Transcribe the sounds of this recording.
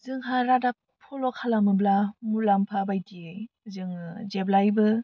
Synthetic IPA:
zɯŋɦaɾadak̚ | pʰɔlɔkʰalamɯblamulampʰabajtʰie | zɯŋd͡ʒeblajbɯ

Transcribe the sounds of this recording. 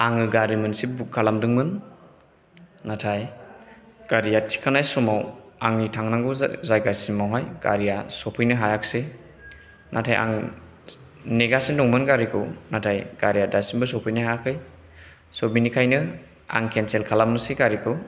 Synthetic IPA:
aŋɯɡaɾimɯnsibukʰːalamdɯŋmɯn | atʰaj | ɡ̥aɾijatʰi̥kʰanajsɔmawaŋnitʰaŋnaŋɡuzajɡasimawɦajɡ̥a̰ɾijasɔpʰɯjnɯɦajakse | nʔatʰajʔa̰ŋ | neɡasindɔŋmɯnɡaɾikʰɯwnatʰajɡ̥aɾijadasinbɯsɔpʰɯjnɯɦaakʰɯj | sɔbinikʰajnɯ | a̰ŋkʰenselkʰalamnɯseɡaɾikʰɯw

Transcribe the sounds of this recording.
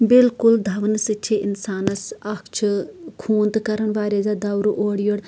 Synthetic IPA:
bɪlkʊld̪ʱɐʋnɨsɨt͡ʃʰeʔinsaːnɐsɐkʰt͡ʃʰɨkʰuːnd̪kɐɾɐɳʋaːɾeːzad̪ɐwɾuʔoːɽijoɽ

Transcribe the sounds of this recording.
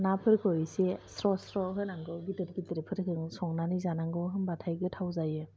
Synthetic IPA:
napʰɯɾkʰɯjsesɾɔsɾɔɦɯnaŋɡɔɡitɯɾɡitəɾepʰɯɾkʰɯŋsɔŋnanizanaŋɡɔwɦɯnbatʰajɡɯtʰawzajɯ

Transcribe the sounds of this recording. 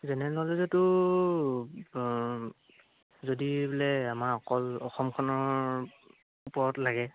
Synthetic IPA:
zɛnɛnɔlɛzɔtu | zodiblɛamaɔkɔlɔxɔmkʰɔnɔ | upɔɹɔtlaɡɛ

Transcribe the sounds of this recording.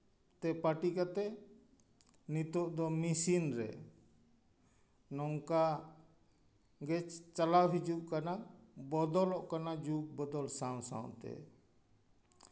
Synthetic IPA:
t̪ɛpaʈikat̪ɛ | nit̪ɔʔd̪ɔmisinɾɛ̰ | nɔŋka | ɡɛt͡ʃt͡ʃalawɦid͡ʒuʔkanabɔd̪ɔlɔʔkanad͡ʒuk̚bɔd̪ɔlsãw̃sã̰wt̪ɛ̰

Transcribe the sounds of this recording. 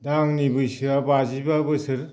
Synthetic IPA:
daŋnibɯjsɯabazibabɯsɯɾ

